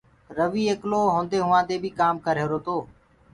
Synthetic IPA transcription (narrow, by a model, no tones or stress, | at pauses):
ɾəʋiːeːkloːɦõːnd̪eːɦʊʋãːd̪eːbʱiːkaːmkəɾeːɾoːt̪oː